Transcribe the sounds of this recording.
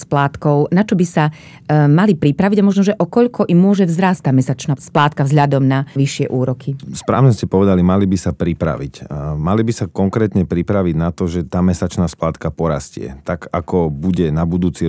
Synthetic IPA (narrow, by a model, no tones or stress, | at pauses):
splaːt̪kɔʊnat͡ʃɔbisa | malipɾipɾaʋiɟamɔʒnɔʒɛʔɔkɔʎkɔʔimːʊɔʒɛvzɾaːstt̪ːaːmɛsat͡ʃnaːsplaːt̪kavzɦʎad̪ɔmnaʋiʃɪɛʔuːɾɔkʰispɾa̰ːʋɲɛscɛpɔʋɛd̪alimalibisapɾipɾa̰ʋicmalibisakɔŋkɾɛːt̪ɲɛpɾipɾaʋiɟnat̪ɔʒɛt̪aːmɛsat͡ʃnaːsplaːt̪kapɔɾa̰scɪɛ̰t̪aɡakɔbuɟɛnabud̪uːt͡si